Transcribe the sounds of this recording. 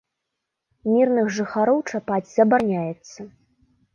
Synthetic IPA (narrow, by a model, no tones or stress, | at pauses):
mʲirnɨxʐɨxaɾɔwt͡ʂapad͡zʲz̥ɐbanʲajɛt̪sːɐ